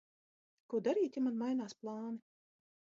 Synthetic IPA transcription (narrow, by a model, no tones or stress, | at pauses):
kuɔd̪aɾiːt̪ʲimanmajnaːsplˠɑːni